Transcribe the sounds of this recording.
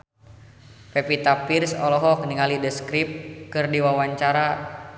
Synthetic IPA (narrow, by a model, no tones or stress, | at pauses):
pɛpit̪apirsɔlɔɦɔk̚niŋalidəskɾip̚kɨrdiwawaɲt͡ʃaɾa